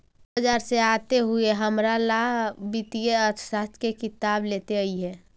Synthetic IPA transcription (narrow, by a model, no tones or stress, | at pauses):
əd͡ʒaːɾseat̪eɦʊeɦəmɾalabit̪ijeət̪sat̪kekɪt̪aːbleːt̪eəiɦɛ̃ː